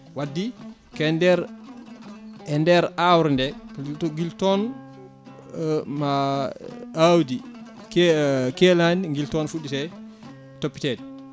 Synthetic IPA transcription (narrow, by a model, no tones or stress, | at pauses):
wadːi | kɛndɛɾ | ɛndɛɾawɾndɛŋɡiltɔn | ma | awdi | kkɛlanŋɡiltɔnfuɗːisɛ | topːi̥tɛːdɛ